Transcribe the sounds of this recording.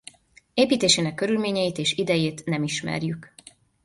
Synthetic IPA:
eːpiːt̪eːʃeːnɛkːø̞ɾylmeːɲɛjit̪eːʃid̪ɛjeːt̪nɛmiʃmɛ̰rjyk

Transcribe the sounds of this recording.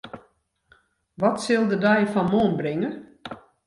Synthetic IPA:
ʋɔtsɪlˠdədɛjfɔnmoːnbrɪŋə

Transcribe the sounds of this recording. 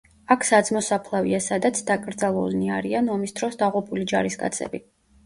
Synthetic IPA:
akʰsad̪zmɔsapʰlˠavḭasad̪at̪sʰd̪akʼɾd̪zalˠulniaɾianɔmisd̪̥ɾɔsd̪aʁupʼulid͡ʒaɾiskʼa̰t̪sʰɛ̰bi

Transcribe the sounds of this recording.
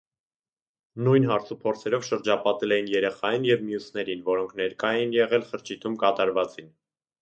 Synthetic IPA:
nujnɦɑɾt͡sʰupʰɔɾt͡sʰɛɾɔvʃəɾd͡ʒɑpɑt̪ɛlɛjinjɛɾɛχɑjinjɛvmijusnɛɾinvɔɾɔŋkʰnɛɾkɑjɛnjɛʁɛlχəɾt͡ʃʰit̪ʰumkɑt̪ɑɾvɑt͡sin

